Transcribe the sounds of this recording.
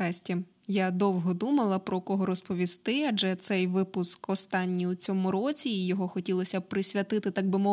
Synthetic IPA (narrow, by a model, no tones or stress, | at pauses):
ɑsʲtʲijad̪ɔwɦɔd̪umɐlˠɐpɾɔkɔɦɔɾɔspɔʋʲist̪ɪɐd͡ʒɛt̪sɛjʋɪpʊskɔst̪ɑnʲːiut͡sʲɔmʊɾɔt͡sʲiːjɔɦɔxɔtʲilˠɔsʲɐpɾɪsʲʋʲɐt̪ɪt̪ɪt̪ɑɡ̚bɪmɔ